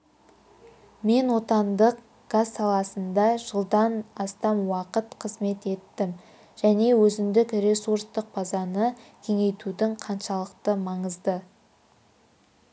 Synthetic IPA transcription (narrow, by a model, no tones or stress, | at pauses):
me̞nwo̞t̪ɑnd̪əq | ɡ̥azːɑlˠɑsənd̪ɑʒəlˠd̪ɑnɑst̪ɑnwɑqət̪qʰəzme̞t̪e̞t̪ːɪm | ʒ̥æne̞wɵzɪmd̪ɪkre̞suɾst̪əq̚bɑzɑnəkʲʰe̞ŋe̞jt̪ud̪ɪŋqʰɑnʃɑlˠəqt̪əmɑɴəzd̪ə